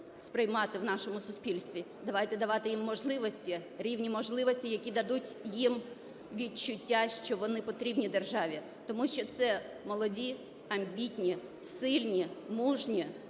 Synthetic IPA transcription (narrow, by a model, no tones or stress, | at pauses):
spɾɪjmɑt̪ɪwnɑʃɔmʊsʊspʲilʲst̪ʋʲi | d̪ɐʋɑjt̪ɛd̪ɐʋɑt̪ɪjimːɔʒlˠɪʋɔsʲtʲiɾʲiwnʲimɔʒlˠɪʋɔsʲtʲijɐkʲid̪ɐd̪utʲjim | ʋʲit͡ʃʊtʲːaʃt͡ʃɔʋɔnɪpɔt̪ɾʲibnʲid̪erʒɑʋʲi | t̪ɔmuʃt͡ʃɔt̪sɛ | mɔlˠɔdʲi | ɐmʲbʲitʲnʲi | sɪlʲnʲimuʒnʲi